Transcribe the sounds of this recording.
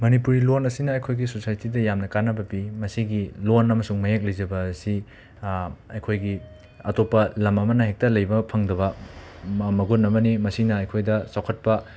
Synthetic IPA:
mɐnipuɾilonɐsinɐːjkʰojɡisosajtidɐjamnɐkanɐbɐpimɐsiɡilonɐmɐsuŋmɐjek̚lɐjzɐbɐsi | ɐjkʰojɡi | ɐ̰topːɐlɐmɐmɐnɐɦek̚tɐlɐjbɐpʰɐŋdɐβɐ | mɐɡunɐmɐnimɐsinɐɐjkʰojdɐsawkʰɐt̚pɐ

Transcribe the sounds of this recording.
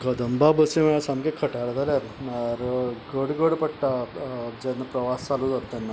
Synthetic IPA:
ɡəd̪əmbabəsiməj̃asamkekʰəʈaɽd͡z̪ʱaljaɾaɾɡəɽɡəɽpəɽʈad͡ʑanːapɾəʋast͡saluːd͡zat̪ːanːa

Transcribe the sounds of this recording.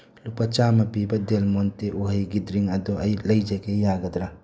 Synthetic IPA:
lupɐt͡ʃamɐpibɐdelmonteʔuɦɐjɡidɾiŋɐdɔɐjlɐjd͡ʒɐɡejaɡɐdɾɐ

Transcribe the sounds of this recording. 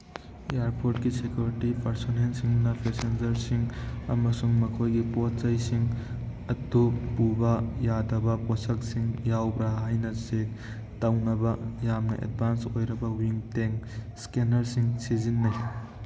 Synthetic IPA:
ejaɾpʰoɾtkisekjuɾitipɐɾsonensiŋnɐpʰesend͡ʒɐɾsiŋɐ̰mɐsuŋmɐkʰojɡipot̚t͡ʃɐjsiŋ | ɐtupubɐjadɐbɐposɐk̚siŋjawbɾaɦajnɐsek̚ | tɐwnɐbɐjamnɐʔḛd̚bʱansojɾɐbɐwiŋteŋskenɐɾsiŋsezinːɐj

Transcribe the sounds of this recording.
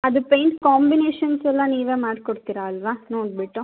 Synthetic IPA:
ɐd̪upejɳʈkaːmbineːʂɐnsɛlːɐniːʋeːmaːɖkoɽt̪iɾaːlʋaːnoːɖ̚biʈːu

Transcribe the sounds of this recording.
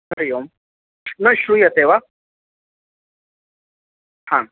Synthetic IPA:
ɐɾjom | nɐɕɾujɐt̪eʋa | hã

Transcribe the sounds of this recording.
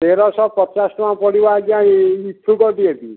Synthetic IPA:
t̪eɾɔsɔpɔt͡ʃasʈɔmãpɔɽibaɡiãit̪ʰːukɔʈiet̪i

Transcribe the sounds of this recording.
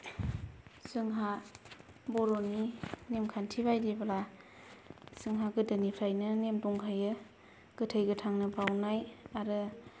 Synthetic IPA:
sɯŋɦa | bɔɾɔninemkʰantʰibajdibala | sɯŋɦaɡɯdɯnipʰɾajnɯnemdɔŋkʰajɯ | ɡ̥ɯtʰəjɡɯtʰaŋnɯbawnajaɾɯ

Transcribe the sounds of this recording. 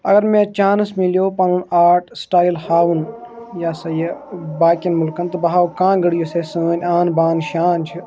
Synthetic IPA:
ɐ̰ɡɐɾmẽːt͡ʃaːnsmiljoːpɐnunaːɾʈsʈaːilhaːʋunjaːsɐjɐbaːkɐnmulkɐnt̪ɨbɐɦaːʋkãːɡɐɽijoseːsəːnʲaːnbaːnʃaːnt͡ʃʰi

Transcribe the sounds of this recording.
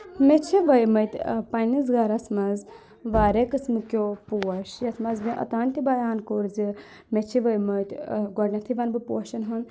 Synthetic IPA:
met͡ʃʰiʋɐjmɐt̪ʲpɐniz̬ɡɐɾɐsmɐz | ʋaːɾekɨsmɨkʲopuɐʃjɐsmɐzmiʔɐ̰t̪aːnʲt̪ibɐjaːnkoɾzi | met͡ʃʰiʋɐjmɐt̪ʲɡɔɾnʲɐt̪ʰiʋɐnbɨpṵɐʃɐnɦɐn

